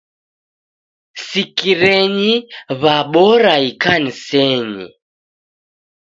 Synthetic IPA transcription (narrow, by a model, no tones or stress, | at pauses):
sikiɾɛɲiβaɓɔɾaikanisɛɲḭ